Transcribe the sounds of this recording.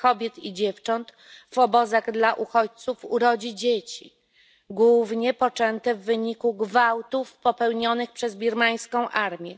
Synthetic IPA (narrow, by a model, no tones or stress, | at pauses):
kɔbʲjɛt̪id͡ʑɛft͡ʂɔnt̪ | v̥ɔbɔzaɣd̪laʔuxɔt͡ɕt̪sufuɾɔd͡ʑid͡ʑet͡ɕi | ɡwuvɲɛpɔt͡ʂɛnt̪ɛvːɘɲikuɡvawt̪ufpɔpɛwɲɔnɘxpʂɛzbʲiɾmaj̃skɔ̃w̃ʔaɾmʲjɛ